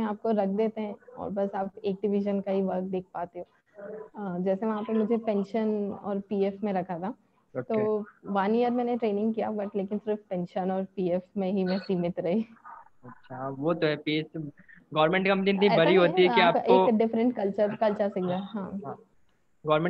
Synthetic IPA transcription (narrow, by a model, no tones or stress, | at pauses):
ẽaːp̚koɾɐkʰd̪eːt̪eɦɛ̃ɔ̰ːɾbɐsaːpeːk̚ɖɪʋɪʃənkaɦiʋɐɡd̪eːk̚ʰpaːt̪eɦõː | d͡ʒɛːseʋɐɦãpɐɾmʊd͡ʒʱepɛ̃ːnʃənɔ̰ːɾpiːefmẽɾɐkʰat̪ʰa | oːt̪oːʋaːnijəɾmɛːneʈɾeːnɪ̃ŋɡkijabɐʈleːkɪnsɪɾfpɛ̃ːnʃənɔːɾpiːefmẽɦimɛ̃siːmɪt̪ɾɐɦi | ɐtːʃʰaʋoːt̪oɦɛpies | ɡɔːɾmẽɳʈkɐ̃mpnĩnt̪ĩbɐɾiɦoːt̪iɦɛkiːaːpʔeoːkɖɪfɾə̃ɳʈkɐlt͡ʃəɾkɐlt͡ʃəsɪkd̪aɦãː | ɡɔːɾmẽ